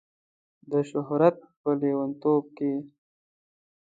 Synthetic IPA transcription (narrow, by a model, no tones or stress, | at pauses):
d̪əʃʊɦɾat̪̚pəlewant̪ob̚ke